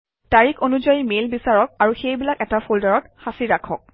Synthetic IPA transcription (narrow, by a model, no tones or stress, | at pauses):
taɹikonuzajimelbisaɹɔk̚aɹuxejbilakɛtapʰoldaɹɔt̚xasiɹakʰɔk̚